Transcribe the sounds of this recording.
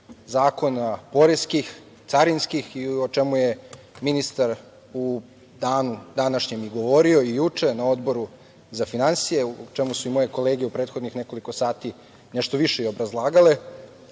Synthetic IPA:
zaːko̞napo̞ɾeskix | t̪saɾinskixiot͡ʃe̞muje̞ | minist̪aɾ | u | d̪aːnud̪anaʃɲemiɡo̞ʋo̞ɾio̞ijut͡ʂe̞nao̞d̪bo̞ɾu | zafinansije̞uot͡ʃe̞musuimo̞je̞ko̞le̞ːɡeupɾe̞ːt̪xod̪nixne̞ko̞liko̞saːt̪i | ne̞ʃt̪oʋiʃe̞io̞bɾazlˠaːɡale

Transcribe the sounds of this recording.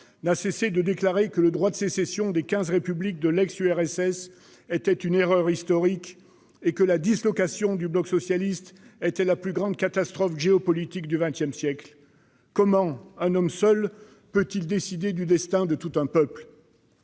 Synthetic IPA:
nasesed̪əd̪eklaʁekələd̪ʁwad̪əsesesjɔ̃d̪ekʲɛ̃zʁepyblik̚d̪əlɛksyɛʁɛsɛs | ɛt̪ɛt̪yneʁœʁist̪ɔʁik | ekəlad̪islɔkasjɔ̃d̪yblɔksɔsjalist̪ɛt̪ɛlaplyɡʁɑ̃d̪kat̪ast̪χɔfʒeɔpɔlit̪ikd̪yvɛ̃t̪jɛmsjɛkl | kɔmɑ̃ɛ̃nɔmsœl | pøt̪ild̪esid̪ed̪yd̪ɛst̪ɛ̃d̪ət̪ut̪ɛ̃pœpl

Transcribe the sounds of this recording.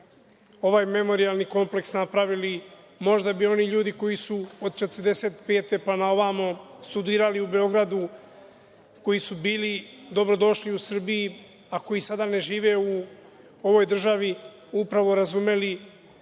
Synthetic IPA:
o̞ʋaːjme̞mo̞ɾialˠniko̞mple̞ksnapɾaʋili | mo̞ʒd̪abio̞niʎuːd̪iko̞jisuod̪t͡ʃe̞t̪rd̪e̞se̞t̪pe̞ːt̪e̞panao̞ʋamost̪ud̪iːɾaliube̞o̞ɡɾad̪u | ko̞jisubiːlid̪o̞bɾo̞d̪o̞ʃliusr̩biji | ako̞jisad̪ane̞ʒiːʋe̞u | o̞ʋo̞jd̪r̩ʒaʋi | upɾaʋo̞ɾazume̞li

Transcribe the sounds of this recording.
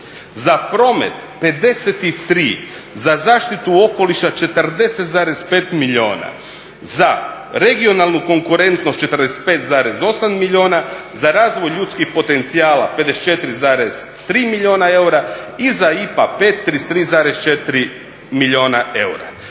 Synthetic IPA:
zapɾo̞mḛt̪pe̞d̪e̞set̪it̪ɾiː | zazaːʃt̪it̪uo̞ko̞liʃat͡ʃe̞t̪rd̪e̞se̞t̪zaːɾespeːt̪miʎio̞̰ːna̰ | za | ɾe̞ɡio̞nalˠnuko̞ŋkuɾe̞nt̪nost̪̚t͡ʃe̞t̪ɾd̪ese̥t̪̚peːt̪zaːɾezo̞samːiʎʲo̞ːnazaɾaːzʋo̞jʎuːt̪skixpo̞t̪e̞nt̪siaːla̰pe̞d̪eset͡ʃe̞t̪iɾizaːɾes | t̪ɾiːmilʲio̞ːnae̞uɾaizaipape̞ːt̪ːɾist̪ɾiːzaːɾest͡ʃet̪iɾi | miʎio̞ːnae̞̰wɾa̰

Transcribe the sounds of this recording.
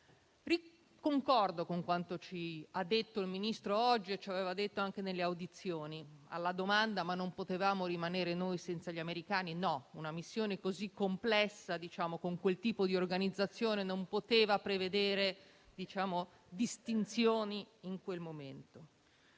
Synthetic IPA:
ri | koŋkɔrd̪okoŋkwant̪ot͡ʃiad̪ːet̪ːoilminist̪ɾoɔd͡ʒːiet͡ʃːaveːvad̪et̪ːoaŋk̟enelːeawd̪it̪sːjoːnia̰lːad̪omand̪amanːompot̪evaːmoɾimaneːɾenojsɛnt̪saʎameɾikaːninɔunamisːjoːnekozikːomplɛsːad̪it͡ʃaːmokoŋkwelt̪iːpod̪iorɡanid̪zːat̪sːjoːnenompot̪eːvapɾeved̪eːɾe | d̪it͡ʃaːmo | d̪ist̪int̪sjoːniːŋkwelmoment̪o

